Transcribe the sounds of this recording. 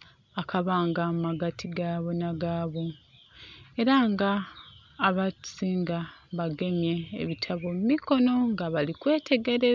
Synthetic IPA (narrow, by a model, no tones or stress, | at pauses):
akʰaβaːŋɡammaɡatʰiɡaːβo̞naɡaːβo̞ | e̞ɾaŋɡaː | βasiːŋɡaβaɡe̞mje̞̰ːβitʰaβommiko̞no̞ŋɡaβalikwe̞ːtʰe̞ɡe̞ɾe̞